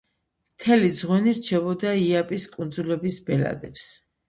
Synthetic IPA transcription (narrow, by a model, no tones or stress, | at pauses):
mt̪ʰɛlid̪zʁwɛniɾt͡ʃʰɛbɔd̪aiapʼiskʼund̪zulɛbisbɛla̰d̪ɛps